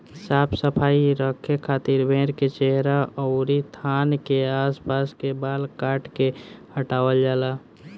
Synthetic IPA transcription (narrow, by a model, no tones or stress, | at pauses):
ɪsaːbsəpʰaːiɾəkʰːekʰːaːt̪iɾbʱẽːɾket͡ʃeɦɾaɔʊɾit̪ʰaːnkeaːspaːskebaːlkaːʈkehəʈaːwəld͡ʒaːla